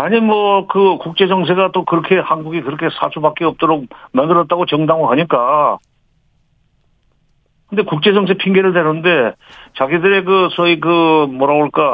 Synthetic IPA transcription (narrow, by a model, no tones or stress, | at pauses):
aɲimwʌkɯkuk̚t͡ɕ͈e̞d͡ʑʌŋs̬ʰe̞ɡat͈okɯɾʌkʰe̞hanɡuɡikɯɾʌkʰe̞sʰa̰sʰubak͈iʌp̚t͈oɾok̚mandɯɾʌt͈̚aɡot͡ɕʌŋdaŋoɦaɲik͈a | kɯnde̞kuk̚t͡ɕ͈e̞d͡ʑʌŋsʰe̞pʰiŋɡe̞ɾɯɭneɾɯnde̞t͡ɕaɡidɯɾe̞k̬ɯsʰʌik̬ɯmʌɾaboɭk͈a